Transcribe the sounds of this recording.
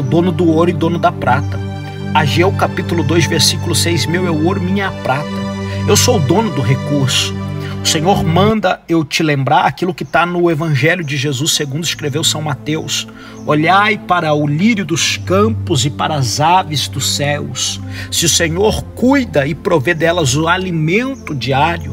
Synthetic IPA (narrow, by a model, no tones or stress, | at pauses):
wd̪õnʊd̪ʊoɾʊɪd̪õnʊd̪ɐpɾat̪ɐ | aʒewkapit̪ulʊd̪ojzveɾsikʊlʊsejzmewɛʊoɾʊmĩɲɐːpɾat̪ɐ | ewsowd̪õnʊd̪ʊɦekuɾsʊ̥ | ʊsẽɲoɾmɐ̃nd̪ɐewt͡ʃɪlẽmbɾaɾakilʊkɪt̪anʊevɐ̃ʒɛljʊd͡ʒɪʒezuseɡũnd̪ʊɪskɾevewsɐ̃w̃mat̪ews | oʎajpaɾɐʊliɾjʊd̪ʊskɐ̃pʊzɪpa̰ɾɐzavɪzd̪ʊsɛwssɪʊsẽɲoɾkujd̪ɐɪpɾoved̪ɛlɐzʊalimẽnt̪ʊd͡ʒiaɾjʊ̰